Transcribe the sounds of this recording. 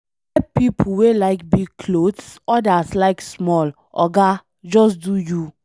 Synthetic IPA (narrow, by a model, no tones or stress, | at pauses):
ɛpip̩ʰwelaɪkbiɡ̚kʰlodsɔdaslaɪksmɔl | ʔɔ̰ɡa | d͡ʒɔsduju